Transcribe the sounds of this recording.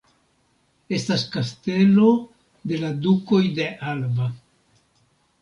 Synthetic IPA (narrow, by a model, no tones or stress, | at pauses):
e̞staskaste̞lo̞ | de̞laduko̞jde̞ʔalva